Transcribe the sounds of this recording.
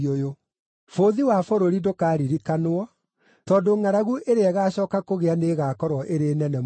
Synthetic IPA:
ojo | foðiwafoɾoɾidokaɾiɾikanoɔ | tɔːdoŋaɾaɣuʔeɾeaɣaːɕɔːkakoɣeaneɣakɔɾwɔʔeɾenɛnɛ

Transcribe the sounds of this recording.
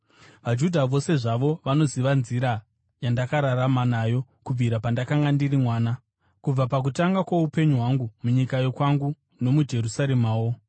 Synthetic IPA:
ʋad͡ʒudʱaʋo̞se̞ʐaʋo̞ʋano̞ziʋanziɾa | jandakaɾaramanaːjo̞ | kub͡viɾapandakaŋɡandirimwaːna | kub͡vapak̬utaŋɡakwoupe̞ɲuɦwaŋɡumuɲikajokwaŋɡu | no̞mud͡ʒe̞ɾusaɾemaːwo̞

